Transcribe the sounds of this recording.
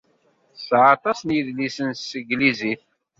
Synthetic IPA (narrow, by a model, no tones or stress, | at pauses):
sʕɑt̪ˤɑsnjiðlisənsəɡliziθ